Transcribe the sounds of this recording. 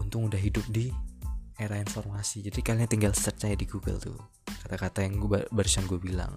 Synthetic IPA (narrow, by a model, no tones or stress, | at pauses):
unt̪ʊŋudahɦidʊp̚di | eɾainfɔrmasid͡ʒadikaliŋt̪iŋɡal̥tərt̪̚t͡ʃaadiɡuɡə̰lt̪ʊ̰ | kat̪akat̪ajaŋbəɾsaŋɡuabila̰ŋ